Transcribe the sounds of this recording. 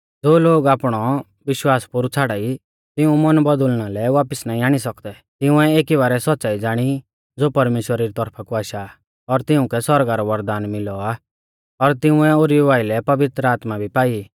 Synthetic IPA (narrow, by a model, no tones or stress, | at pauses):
d͡zoːloːɡaːpɽ̃ɔ | ʋɪʃwaːspʊɾut͡sʰaːɽaːi | t̪ɪũmɔnbɔd̪ʊlñalɛʋaːpɪsnaːĩaːɽ̃isɐkd̪ɛ | t̪ɪʊ̃ɛeːkiβaːɾɛsɔtːsaːid͡zaːɽ̃i | d͡zoːpɐɾmeːʃwəɾaɾit̪ɔɾpʰakuaːʃa | ɔɾt̪ɪʊ̃kɛsɔɾɡaɾɔʋɐɾd̪aːnmɪlɔa | ɔɾt̪ɪʊ̃ɛoːɾiuʋaːɪlɛpɐʋɪt̪ɾəaːt̪mabʱipaːi